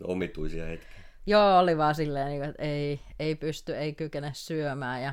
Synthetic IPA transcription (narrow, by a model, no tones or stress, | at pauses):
omit̪uisiɑhet̪ki̥ | joːoliʋɑːsilːeːniːŋkoet̪ei | eipyst̪yeikykenessyømæːjɑ